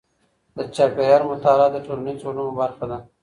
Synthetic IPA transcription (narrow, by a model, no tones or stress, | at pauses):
d̪ət͡ʃapejɑɾmʊt̪ɑɾad̪əʈolanit͡solunobaɾxad̪a